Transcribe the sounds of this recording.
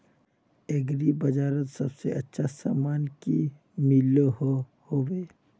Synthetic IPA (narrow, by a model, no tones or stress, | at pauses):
eɡɾibɐd͡ʒaːɾət̪sɐbseɐtːʃʰasa̰ːmaːnki | miloho | hoːweː